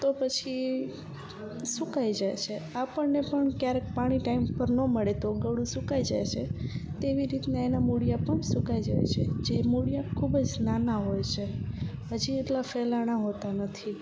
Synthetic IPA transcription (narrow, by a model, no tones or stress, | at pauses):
t̪opət͡ʃʰi | sukaid͡ʒaj̰t͡ʃʰeapəɳnːepəɳkjaɾek̚paɽ̃iʈaimpəɾnəməɭet̪oɡəɽũsũkaid͡ʒa̰jt͡ʃʰet̪eʋiɾit̪neenamuɽijapəɳsukajd͡ʒa̰jt͡ʃʰed͡ʒemuɽijakʰubd͡ʒnanaɦojt͡ʃʰeɦəd͡ʒieʈlafelaɽ̃aɦot̪anət̪ʰi